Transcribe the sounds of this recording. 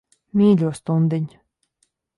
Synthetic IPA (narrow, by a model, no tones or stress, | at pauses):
mʲiːlʲuːst̪und̪ɘnʲ